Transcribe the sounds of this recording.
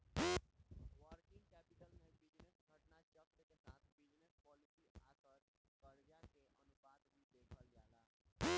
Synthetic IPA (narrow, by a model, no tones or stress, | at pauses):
ʋəɾkĩŋɡkɛpiʈəlnebid͡ʒnesɡʱəʈnat͡ʃəkːəkesat̪bid͡ʒnespɔlisia̰səɾkəɽd͡ʒakeʔənubad̪mid̪ekʰəld͡ʒala